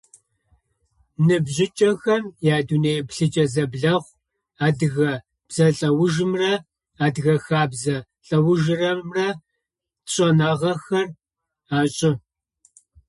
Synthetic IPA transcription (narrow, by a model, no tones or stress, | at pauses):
nɨbʑɪt͡ʃʼɐxɐmjaːduneːʔɛpɬɨt͡ʃʼɐzɐbɮɐχʷ | aːdɨɣɐ | b̥z̥ɐɬʼɐwʊʒɨmrɐ | aːdɨɣɐxaːbzɐ | ɬʼɐwʊʒɨrɐmrɐ | ɕʼɐnaʁɐxɐr | aːɕʼɪ